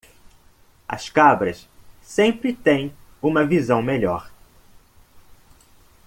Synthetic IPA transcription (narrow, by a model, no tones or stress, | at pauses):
ɐ̰skabɾɐssẽmpɾɪt̪ẽj̃ũmɐvizɐ̃w̃meʎɔɾ